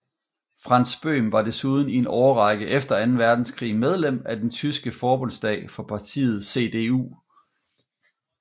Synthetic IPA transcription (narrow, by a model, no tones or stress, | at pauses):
fʁɑ̈n̰sb̥ø̰ːmʋɑ̈d̥e̝suð̞ˠn̩ienɒʊɐʁɑ̈ɡ̥əʔefd̥ɐænn̩ʋæɐd̥n̩skʰʁḭːmeð̞ˠlem̰æd̥ent͡sʰysɡ̥əfɒːb̥ɔ̽nsd̥ɛ̰ːɪfɒ̽pʰɑ̈t͡sʰḭːð̞̩ˠse̝̰d̥e̝ːṵː